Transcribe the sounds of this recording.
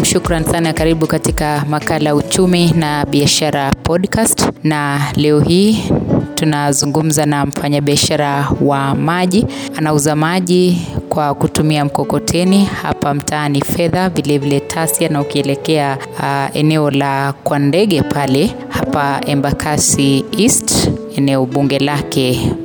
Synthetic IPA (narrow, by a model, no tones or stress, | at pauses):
ʃukɾansanakaɾiɓukatikamakalajaut͡ʃuminaɓiaʃaɾapɔɗkastnalɛɔhiːtunazuŋɡum̩zanam̩faɲaɓiaʃaɾawamaʄianauzamaʄikwakutumiam̩kɔkɔtʰɛniha̰pam̩tʰaːnifɛðavilɛvilɛtʰasianaukiɛlɛkɛa | ɛ̰nɛɔlakwandɛɠɛpʰalɛ | hapaɛmbakʰasiistɛnɛɔɓuŋɡɛlakɛ